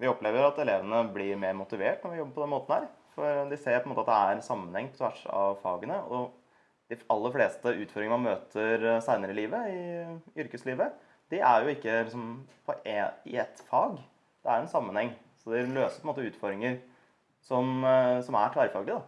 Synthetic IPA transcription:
ʋɪɔpleːʋəɾɑt̪ɛleːʋənəblɪɾmeːɾmʊt̪ɪʋeːʈnɔɾʋɪjɔbːəpɔd̪ɛnmoːt̪n̩hæːɾ | fɔɾd̪ɪseːɾpʰɔɛmoːt̪ɑt̪d̪ɛæɾɛnsɑmːənhɛŋːpʰɔt̪ʰʋæʂɑ̰ʋfɑ̰ːɡənəʔɔ | d̪̥ɪʔɑlːəɾfleːst̪əʔʉːt̪fɔɾɪŋəmɑnmøːt̪ʰəɾsæɪnəɾɪliːʋəɪʏɾkəsliːʋə | d̪̥ɪʔæɾjʊɪkːəlɪks̬ɔmpʰɔʔɛɪɛt̪fɑːɡ | d̪̥ɛæɾɛnsɑmːənhɛŋː | sɔd̪ɪløːsəpɔɛmoːt̪əʉːt̪fɔɾɾɪŋəɾ | sɔmsɔmæʈʰʋæɾfɑːɡləd̪ɑ

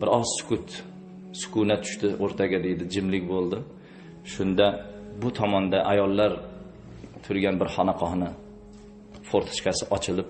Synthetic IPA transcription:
bɪɾɒzsʊ̥kʰʊt̪ | sʊ̥kʊnat̪ʰʊ̥ʃt̪ɪʔoɾt̪ʰaɡʲad̪ejd̪ɪd͡ʒɪmlɪkʲbolˠd̪ɪ | ʃʊnd̪abʊt̪ʰɒmɒnd̪aʔajɒlˠːaɾ | t̪ʰʊɾɡʲanbɪɾhɒnaqʰɒhnɪ | foɾt̪ʰɪ̥ʃkʲasɪʔɒt͡ʃʰɪlɪp̚

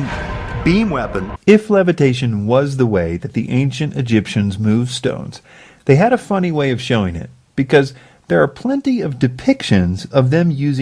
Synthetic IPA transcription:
nbĩmwɛpɨ̃nɪflɛvɨtʰeɪʃɨ̃nwʌzðəweɪðɨt̪̚ðḭʔẽɪ̃nʃɨ̃ntɨd͡ʒɪpʃɨ̃nzmʉv̥stõ̰ʊ̃nz̥ | ðeɪɨɾɨfʌniweɪʌv̥ʃoʊɪ̃ŋɪ̰t̚ | b̥ɨkʰʌz | ðə˞ːpʰl̥ɛ̃ntiʌvdɨpʰɪkʃɨ̃nzʌvðɨ̃mjʉzɪ̃

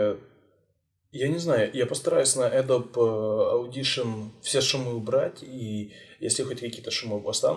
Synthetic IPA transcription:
janʲɪznajʊjapəst̪ɐɾajʊsʲnɐʔɛd̪opɐʊdʲiʂənfsʲeʂʊmɨʊbɾatʲijesʲlʲɪxotʲkɐkʲijət̪əʂʊmɨpɐst̪a̰n

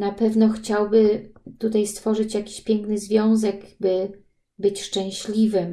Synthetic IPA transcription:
napɛvnɔxt͡ɕawbɘt̪ut̪ajst̪fɔʐɘt͡ɕjakʲi̥ɕpʲjɛŋknɘzvʲjɔ̃w̃zɛɡbɘ | bɘt͡ɕʂt͡ʂɛ̃w̃ɕlʲivɘm

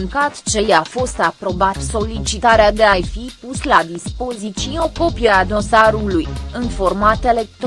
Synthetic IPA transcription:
ŋkat̪t͡ʃe̞jafo̞st̪apɾo̞bat̪so̞lit͡ʃit̪aɾead̪e̞ajfipuslad̪ispo̞zit̪sio̞ko̞pijead̪o̞saɾulujɨnfo̞rmat̪e̞le̞k̚t̪

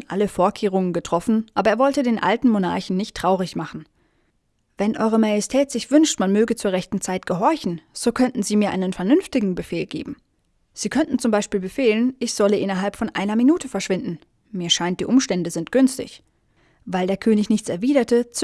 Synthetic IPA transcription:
nʔa̰ləfoːɐkʰeːʁ̞ʊŋənɡətʁ̥ɔfn̩ʔa̰ːbɐeːɐvɔltədeːnʔa̰ltn̩mona̰ɐçn̩nɪçtʁ̥aʊʁ̞ɪçmaχn̩ | vɛnʔɔ̰ʏʁəmaːjɛstʰɛːtz̥ɪçv̥ʏnʃtmanmøːɡət͡suːɐʁɛçtn̩t͡saɪtɡ̥əɦɔɐçn̩z̥oːkʰœntn̩ziːmiːɐʔa̰ɪnənfɛɐnʏnftɪɡŋ̩bəfeːlɡeːbm̩ | z̥iːkʰœntn̩t͡sʊmbaɪʃpiːlbəfeːlənʔɪçz̥ɔləʔɪnɐɦalpfɔnʔaɪnɐminuːtʰəfɛɐʃv̥ɪndn̩ | miːɐʃaɪnt̚d̥iːʔʊmʃtɛndəzɪntɡ̥ʏnstɪ̰ç | vaɪldeːɐkʰøːnɪçnɪçt͡sɛɐviːdɐtət͡s

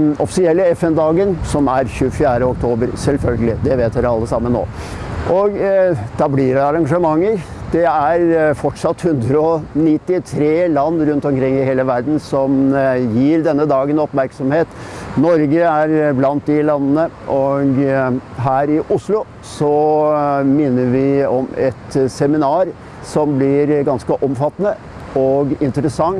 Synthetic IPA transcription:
ɔfsɪɛlːəɛfɛnd̪ɑːɡənsɔmæɾçʉəfɪjæːɾəɔkt̪ʰoːbəɾsɛlfœlɡəlɪd̪ɛʋeːt̪jæɑlːəsɑmːəno̰ː | ʔɔɡd̪̥ɑblɪɾæɑɾɑŋʂəmɑŋːəɾ | d̪̥ɛæɾfɔʈʂɑt̪ːhʉnd̪ɾəɔnɪt̪ːɪt̪ʰɾeːlɑnːɾʉnt̪ɔmkʰɾɪŋːɪheːləʋæɾd̪n̩sɔmjiːɾd̪ɛnːəd̪ɑːɡənɔpmæɾksɔmheːt̪nɔɾɡəæɾblɑnt̪̚d̪ɪlɑnːənə | ʔɔɡɦæːɾɪʔʊslʊ | sɔ | mɪnːəɾʋɪɔmɛt̪sɛmɪnɑːɾ | sɔmblɪɾɡɑnskəʔɔmfɑt̪ːənə | ɔɡɪnt̪əɾəsɑŋ

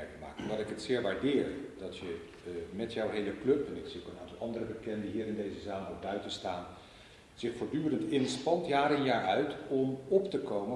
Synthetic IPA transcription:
ɛkəma̰ːkɔndɑtɪkɦətsɪːɹʋaːɹdɪːɹd̥ɑtjə | mɛtjɔwɦejləklɵpɛnɪksiokənaːntɑlˠɑndərəbəkɛndəɦiːɾɪndejzəzaːlɔbœɥtənstaːn | z̥ɪχfʊːɹdyːrəntɪnspɑntjaːɾənjaːɹœɥtɔmɔptəkowmə

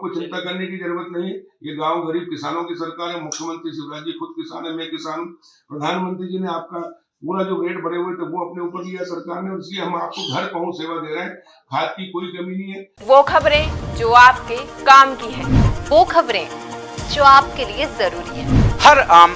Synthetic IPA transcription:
kot͡ʃɪ̃nt̪akɐɾnekid͡ʒ̪ɐɾuːɾət̪nɐɦĩɦɛjeɡãːwɡɐɾiːb̚kɪsaːnõkisɐɾkaːɾɦɛmʊkʰjəmə̃nt̪ɾiʃɪbɾaːd͡ʒjixʊd̪̚kɪsa̰ːnɛ̃mẽkɪsaːnũpɾɐd̪ʱaːnmə̃nt̪ɾid͡ʒineaːp̚ka | uːɾad͡ʒoːɡeːʈbɐɽeɦoet̪ɐʋoɐpneuːpəɾd̪ijasɐɾkaːɾnẽɔːɾɪslieɦɐmaːp̚koɡʱɐɾkɐɦũseːʋad̪eːɾɐɦɛ̃ | kʰaːt͡ʃkikoːikɐminĩɦɛ | ʋoːkʰɐbɾẽd͡ʒoːaːp̚kekaːmkiɦɛ̃ːʋoːkʰɐbɾẽd͡ʒoːaːpkeliezɐɾuːɾiɦɛːhɐɾaːm

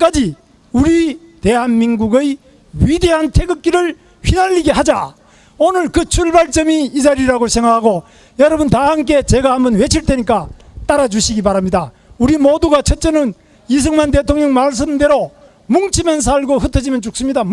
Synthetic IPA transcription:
k͈ad͡ʑi | uɾi | te̞ɦanminɡuɡɯj | ɥide̞ɦantʰeɡɯk̚k͈iɾɯɭ | ɸinaʎːiɡeɦad͡ʑa | onɯɭkɯt͡ɕʰuɭbaɭt͡ɕ͈ʌmiːd͡ʑaɾiɾaɡosʰeŋaɦaɡo | jʌɾʌbuntahamk̬͈e̞t͡ɕe̞ɡahambʌnwe̞t͡ɕʰiɭt͈ʰe̞ɲik͈at̪͈aɾad͡ʑuɕʰiɡibaɾamɲida | uɾimoduɡat͡ɕʰʌt͡ɕ͈enɯn | is̬ʰɯŋmant̬e̞tʰoŋɲʌŋmaɭs̬͈ɯmde̞ɾo | muŋt͡ɕʰimjʌns̬ʰaɭɡoɦɯtʰʌd͡ʑimjʌnt͡ɕok̚s͈ɯmɲida

